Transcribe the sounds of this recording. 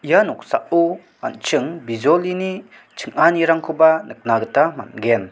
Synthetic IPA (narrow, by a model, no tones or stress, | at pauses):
ijanuk̚saʔu | a̰nt͡ʃɯŋbizɔlini | t͡ʃʰɯŋaniɾaŋkʰubanɯk̚naɡətama̰nɡɛn